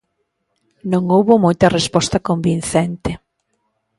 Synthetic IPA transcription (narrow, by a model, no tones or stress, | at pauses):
nõŋowβomɔjt̪ɐrespɔst̪ɐkombin̟θent̪ɪ